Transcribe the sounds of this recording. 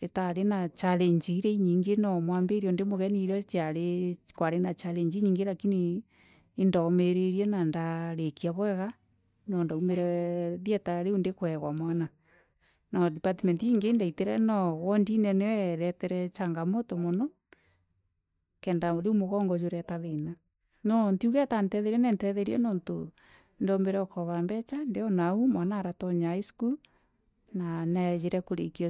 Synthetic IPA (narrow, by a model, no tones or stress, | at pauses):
etaɾenat͡ʃaɾeɲd͡ʒiɾeiɲiːŋɡenɔmwambeɾiɔondemoɣɛniɾɛt͡ʃjaɾekwaɾenat͡ʃaɾeɲd͡ʒiɲiːŋɡelakiniː | ndameɾeɾienandaɾekiaβwɛɣa | nɔndaumeɾɛɾjɛtaɾeundekwɛɣwamwana | nɔdipatimentiiŋɡendaiteɾɛnɔwɔndinɛneɾɛtɛɾɛt͡ʃaŋɡamɔtɔmɔnɔ | kɛndaɾeumoɣɔŋɡɔd͡ʒoɾɛtaðena | nɔntiuɣɛtantɛðɛɾiɛnɛntɛðɛɾiɛ̰nɔnto̰ | ndɔmeɾɛɔkʰɔβambɛt͡ʃandeɔnaumwanaːɾatɔɲaiskul | nanɛɣeɾɛkoɾḛki